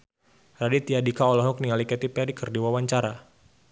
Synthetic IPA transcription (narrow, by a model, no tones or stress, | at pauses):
radit̪iadikaɔlɔɦɔk̚niŋalikɛt̪ipɛdikərdiwawaɲt͡ʃaɾa